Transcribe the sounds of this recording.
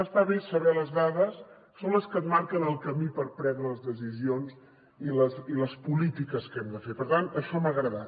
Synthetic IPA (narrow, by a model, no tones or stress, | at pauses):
əsfaβisːəβɛləzðaðəsː | onləskət̪̚maɾkənəlˠkəmipəɾpɾɛnd̪ɾələzðəs̬izionz | iləsiləspulit̪ikəskɛmd̪əfepəɾt̪anəʃɔməɣɾəðat̪